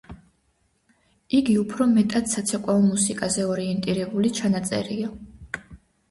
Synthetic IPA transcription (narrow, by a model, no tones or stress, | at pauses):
iɡiupʰɾɔmɛt̪ʼad̪sat̪sʰɛkʼwaɔmusikʼazɛɔɾiɛnt̪ʼiɾɛbulit͡ʃʰanat̪sʼɛ̰ɾia